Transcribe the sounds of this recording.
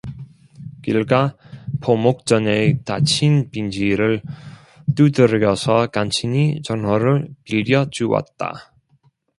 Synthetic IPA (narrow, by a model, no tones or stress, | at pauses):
kiɭɡapʰomok̚t͡ɕ͈ʌneta̰t͡ɕʰinpind͡ʑiɾɯɭ | t͈udɯɾɡjʌsʰʌkant͡ɕʰiɲit͡ɕʌnwʌɾɯɭpiʎːjʌd͡ʑuwa̰t̚t͈a̰